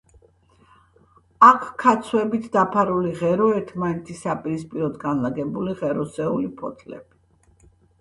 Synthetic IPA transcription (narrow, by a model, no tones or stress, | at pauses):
akʰkʰːat̪sʰwɛbit̪ʰd̪apʰaɾuliʁɛɾɔɛɾt̪ʰmanɛt̪ʰisːapʼiɾispʼiɾɔd̪ɡanlaɡɛbuliʁɛɾɔsɛulipʰɔt̪ʰlɛ̰b̥i